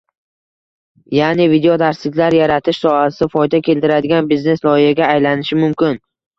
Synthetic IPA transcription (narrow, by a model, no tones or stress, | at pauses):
janɪvid̪eod̪aɾslɪkʲlaɾjaɾat̪ʰɪʃsɒasɪfɒjd̪akʲʰe̞lt̪ɪɾad̪ɪɡʲanbizne̞slˠɒɪhaɡʲaːjlanɪʃɪmʊmkʲɪn